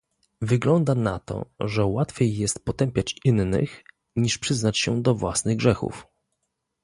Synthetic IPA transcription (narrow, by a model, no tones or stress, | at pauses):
vɘɡlɔnd̪ana̰t̪ɔ̰ʐɛwat̪fʲjejːɛst̪̚pɔt̪ɛmpʲjat͡ɕinːɘ̰x | ɲiʂpʂɘznat͡ɕɕɛd̪ɔvwasnɘɣɡʐɛxṵf